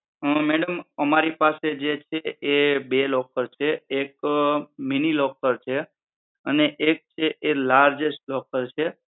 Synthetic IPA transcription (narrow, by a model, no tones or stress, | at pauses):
əmɛɽəməmaɾipased͡ʒet͡ʃʰeʔebelɔkəɾt͡ʃʰeek̚ | minilɔkəɾt͡ʃʰe | əneʔek̚t͡ʃʰeʔelaɾd͡ʒesʈlɔkəɾt͡ʃʰe